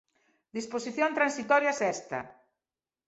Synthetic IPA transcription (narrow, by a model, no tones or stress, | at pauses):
d̪isposiθjont̪ɾansit̪ɔɾjɐsɛst̪ɐ̰